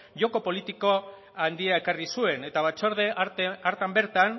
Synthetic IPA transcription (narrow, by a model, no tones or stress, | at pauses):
ʝo̞ko̞po̞lit̪iko̞ | and̪iae̞karisue̞ne̞t̪aβ̞at͡ʃoɾðe̞aɾt̪ambe̞ɾt̪an